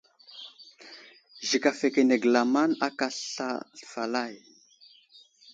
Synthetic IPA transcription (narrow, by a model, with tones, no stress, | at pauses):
ʒi˨ka˨fe˨ke˨ne˨ɡla˨ma˦na˦ka˨ɬɬa̰˦ɬfa˨la˦˨j